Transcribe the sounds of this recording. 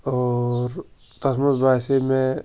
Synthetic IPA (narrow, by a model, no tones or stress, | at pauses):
ɔːɾ | t̪ɐsmət̪bʱaːsemẽ